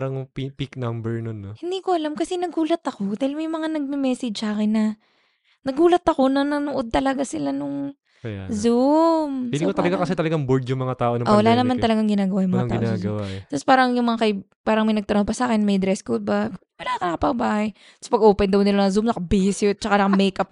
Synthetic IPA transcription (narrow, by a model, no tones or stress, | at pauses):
ɾɐŋpipiknambɛɹnonːohɪnd̪iːkoʔɐlamkɐsɛnɐɡuːlɐt̪ɐko̞d̪aːɪlmɐjmɐŋanɐɡ̚mɛmɛːsɛd͡ʒsaːkɪnːɐ | nɐɡuːlɐt̪ɐko̞nɐnɐnʊʔod̪̚t̪ɐlɐɡasɪlanʊŋ | ja̰zumikot̪ɐlɐɡakɐsɛt̪ɐlɐɡaŋboɹd̪jʊŋmɐŋat̪aːʔonɐʔowɐlaːnɐmant̪ɐlɐɡaŋɡɪnaːɡɐwajʊŋmɐŋat̪a̰ːʔozɡuɐwmat̪ɐspaːɾɐŋjʊŋmɐŋakɐj | paːɾɐŋmɐjnɐɡ̚t̪ɐɾohpɐsaːkɛnmɐjd̪ɾɛskobawɐlaːkɐnɐkɐpɐɡbaːhɐj | t̪spɐɡʔoːpɛnd̪ɐwnɪlmɐŋazumnɐkɐbisɛt̪̚t͡ʃɐkanɐkamɛjkɐp̚